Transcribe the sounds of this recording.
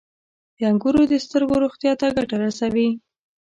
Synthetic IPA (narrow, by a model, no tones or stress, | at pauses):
d̪̥əaŋɡuɾod̪əst̪əɾɡoɾoxt̪jɑt̪aɡaʈaɾasawi